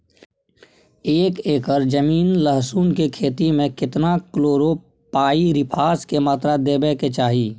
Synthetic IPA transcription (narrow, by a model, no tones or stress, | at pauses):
eːkeːkəɾd͡ʒəmiːnləɦsuːnkekʰeːt̪imẽkɪt̪nakloːɾo | paːiɾɪpʰaːskemaːt̪ɾad̪eːbeket͡ʃaːɦiː